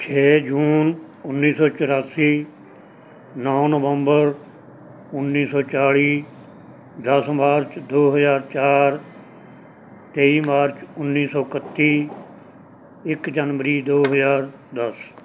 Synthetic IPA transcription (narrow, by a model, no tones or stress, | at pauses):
t͡ʃʰeːd͡ʒuːn | ʊnːiːsɔːt͡ʃəɾaːsiː | nɔːnəʋəmbəɾ | ʊnːiːsɔːt͡ʃaːɭiː | d̪əsmaːɾt͡ʃd̪oːɦəzaːɾt͡ʃaːɾ | t̪eːiːmaːɾt͡ʃʊnːiːsɔːkət̪ːiː | ɪkd͡ʒənʋəɾiːd̪oːɦəzaːɾ | d̪əs